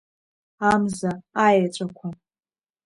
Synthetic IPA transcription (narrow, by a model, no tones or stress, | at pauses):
amzaajat͡ʃʷʼakʷʰa